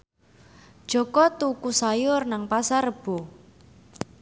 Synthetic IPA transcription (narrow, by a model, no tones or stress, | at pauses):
d̥ʒ̥ɔ̤kɔt̪ukusajʊrnaŋpasarəb̥o